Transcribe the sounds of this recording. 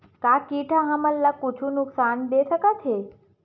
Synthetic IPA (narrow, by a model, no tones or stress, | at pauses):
kakiʈʰaɦãməlːakut͡ʃʰũnuksand̪esəkat̪ʰe